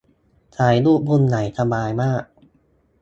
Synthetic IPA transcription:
t͡ɕʰaː˩˦jluː˥˩p̚bu˥˩˨nːa˩˦jt̪ʰa˧maː˧jmaː˥˩k̚

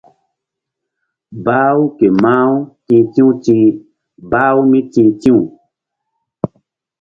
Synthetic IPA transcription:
baː˦u˦ke˨mã˦u˦tĩ˧tĩ˦ũ˦tĩ˦ | baː˦u˦mĩ˦tĩ˧tĩ˦u˨

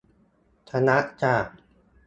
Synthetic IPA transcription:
t̪ʰa˧na˦˥ʔt͡ɕaː˨˩k̚

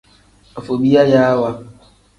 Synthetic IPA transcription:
o˨fo˨bi˦a˦ja˦a˦wa˦

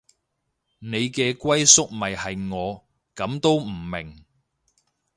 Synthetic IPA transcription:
ne˨˧jkɛː˧kʷɐ˥jsʊ˥k̚mɐ˨jhɐ˨jŋɔː˨˧ | kɐ˨˧˥mt̪o˥wm̩˨˩mɪ˨˩ŋ

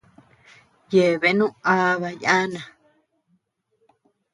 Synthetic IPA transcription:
je˨βe˨˦nũ˦a˦˧βa˧ja˦nã˨

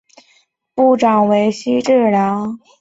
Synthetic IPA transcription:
pu˥˩ʈ͡ʂɑ˨˩ŋwe˧˥ɪɕi˥ʈ͡ʂɻ̩˥˩lɑ˧˥ŋ

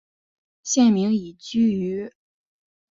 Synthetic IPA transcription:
ɕjɛ˥˩nmi˧˥ŋi˨˩t͡ɕy˥y˧˥

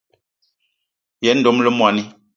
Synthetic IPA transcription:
jɛ˨˦n̩˦do˨˦mlə˦mwa˨ni˦

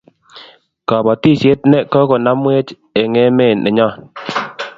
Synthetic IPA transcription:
ka˨bɔ˨ti˦˨sje˦t̚nɛ˦kɔ˦kɔ˨na˦mwe˦t͡ʃ | e˨ŋe˦me˦˨nʔɛ˨ɲɔ˦˨

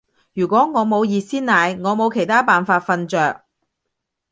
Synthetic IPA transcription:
jyː˨˩kʷɔː˨˥ŋɔː˨˧mo˨˧wjiː˧siː˥nnaː˨˧jŋɔː˨˧mo˨˧wkʰe˨˩jt̪ʰaː˥paː˨nfaː˧t̚fɐ˧nt͡ʃœː˨˧k̚

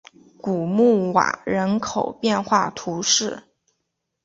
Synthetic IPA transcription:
ku˨˩mu˥˩wa̰˨˩ɻə˧˥nkʰo˨˩ʊpjɛ˥˧nxwa˥˩t̪ʰu˧˥ʂɻ̩˥˩

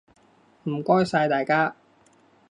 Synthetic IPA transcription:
m̩˨˩kɔː˥jsaː˧jt̪aː˨jkaː˥

